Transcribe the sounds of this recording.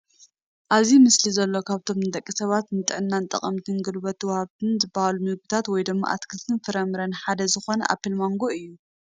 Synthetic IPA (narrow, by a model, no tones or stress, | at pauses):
ʔaβzimɨslizɐlːo̞kʰaβt̪ʰo̞mnɨt̪ʼɐkʼːisɐβat̪nɨt̪ʼɨʕɨnːant̪ʼɐ̰χʼɐmt̪ʰɨnɡɨlβɐt̪ʰːwɐhaβt̪ʰɨnzɨbːahalumɨɡbɨt̪ʰat̪wɔjd̪ɨmːa̰ʔa̰t̪kʰɨlt̪ʰɨnfɨɾɐmɨɾɐnħad̪ɐzɨxo̞nɐ̰ʔa̰pʰːilmoŋɡo̞ɨjːu